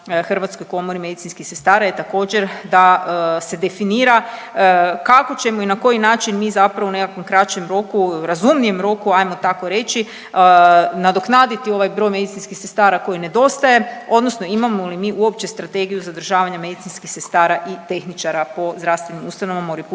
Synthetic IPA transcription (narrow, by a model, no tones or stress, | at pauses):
xr̩ʋat̪sko̞jko̞mo̞ɾime̞d̪it̪sinskixse̞st̪aːɾajet̪ako̞ːd͡ʑe̞ɾd̪ase̞d̪e̞finiːɾa | kako̞t͡ɕe̞moinako̞jinaːt͡ʃinmiːzapɾaʋoune̞kakʋomkɾat͡ʃe̞mɾo̞kuɾazumnije̞mɾo̞kuajmo̞t̪ako̞ɾe̞t͡ʃi | nad̪o̞knaːd̪it̪io̞ʋajbɾo̞jme̞d̪it̪sinskixsest̪aːɾako̞jine̞d̪o̞st̪aje̞o̞d̪nosno̞imamolimiːʔuop̚t͡ɕe̞st̪ɾat̪e̞ɡijuzad̪r̩ʒaːʋaɲame̞d̪it̪inskixse̞st̪aːɾaʔit̪e̞xnit͡ʃaɾapo̞zd̪ɾaʋst̪ʋe̞nimust̪anoʋamoɾip